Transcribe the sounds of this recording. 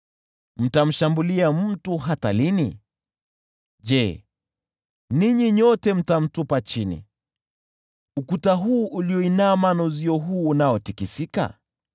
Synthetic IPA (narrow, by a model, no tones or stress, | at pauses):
m̩tam̩ʃambuliam̩tuɦata̰linḭ | ʄɛ | niɲiɲɔtɛm̩tam̩tupat͡ʃinḭ | ukutaɦuːʔuliɔinaːmanɔziɔɦuːnaɔtikisika̰